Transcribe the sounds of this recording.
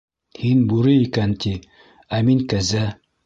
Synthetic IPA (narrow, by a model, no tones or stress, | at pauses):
hinbuɾɘikænt̪i | æmiŋkæzæ